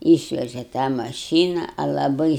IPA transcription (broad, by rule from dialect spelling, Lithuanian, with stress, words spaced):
ˈiːʃʲʋʲɛʒʲɛ tɑː mɐˈʃʲiːnɐ ɐ lˠɐˈbɐɪ